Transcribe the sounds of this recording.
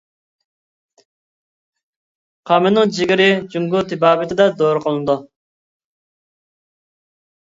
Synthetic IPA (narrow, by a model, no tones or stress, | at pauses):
qʰɑmɪnɨŋd͡ʒɪɡʲɪɾɪd͡ʒuŋɡut̪ʰɪbɑːbɪt̪ʰɪd̪ɛd̪oːɾəqʰəlˠɨnɨd̪u